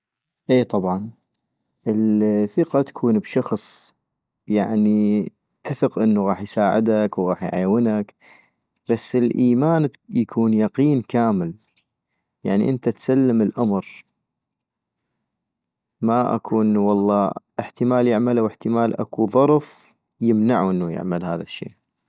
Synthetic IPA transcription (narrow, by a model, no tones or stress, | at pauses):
ʔeːt̪ˤɑbʕɑn | ʔɪlθɪqɑt̪ḁkʰuːnbʃɑxsˤ | jaʕni | t̪aθəqʔɪnːuɣɑːħjsaːʕɪd̪akwɣɑːħjʕa̰jwɪnak | b̥asːɪlʔiːmaːnjakʰuːnjɑqiːnkaːmɪl | jaʕnḭʔɪnt̪at̪salːɪmɪlʔamɾ | maʔa̰kʰuʔɪnːuwɑlˤːɑːʔɪħt̪ɪmaːljɪʕmalawɪħt̪ɪmaːlʔa̰kuðˤɑɾˤf | jɪmnaʕuʔənːujɪ̰ʕmalha̰ːðaʃːḛːʔ